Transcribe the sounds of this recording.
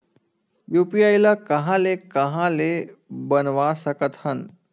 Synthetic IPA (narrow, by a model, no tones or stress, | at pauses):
juːpijaːjlakɐɦãlekɐɦãlebɐnʋasəkət̪hɐn